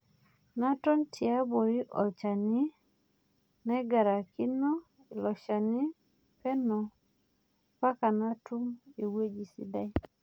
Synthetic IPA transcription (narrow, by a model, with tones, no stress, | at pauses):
na˦tɔ˦ntʰɪ˨a˦bo˨i˦ʔɔ̰˨t͡ʃa˨nɪ˦ | nɛ˦ɡa˨ɾa˨kɪ˦nɔ˦ | i˨lɔ˨ʃa˨nɪ˦ | pɛ˦nɔ˨ | pa˦ka˨na˦tu˦me˨we˦d͡ʒi˨sḭ˦da˦i˦